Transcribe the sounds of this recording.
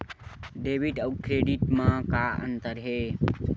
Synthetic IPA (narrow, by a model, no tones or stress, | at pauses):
ɖeʋiʈəkɾeɖiʈmãkaə̰nt̪əɾɦe